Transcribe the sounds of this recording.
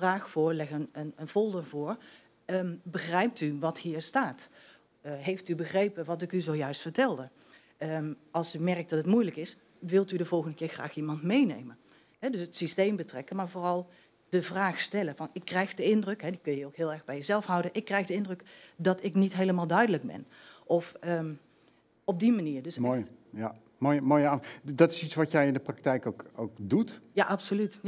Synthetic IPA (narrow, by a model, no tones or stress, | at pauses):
vraːxfʊːɹlɛɣənənənv̥olˠdəvʊːɹ | bəxrɛjp̚tyʋɑthiːɹstaːt | ɦejftybəχrejpəʋɑtɪkyzowjœɥstfəɹtɛlˠdə | əɑlˠsymɛrk̚dɑtətmujləkɪs | ʋɪlˠtydəvɔlˠɣəndəkɪːɹxra̰ːximɑntmejnḛjmən | ɦɛdɵsətsistejmbətrɛkənmaːɹvoːrɑlˠ | d̥əvraːxstɛləvɑnɪkːrɛjxdəɪndrəkɦɛdikɵnjəowkɦɪːlˠɛɹɣbɛjəzɛlˠfɦʌwdənʔɪkːrɛjxdəɪndrɵkdɑtɪknitɦejləmaːlˠdœɥdələɡ̚bɛ̰n | ʔɔfə | ɔb̚dimaniːɹdəsj | ja | mojəmoːjadɑtɪ̥sit͡ssʋɑtjɛjɪndəprɑk̚tɛjkowkowkdutjaʔɑpsolyt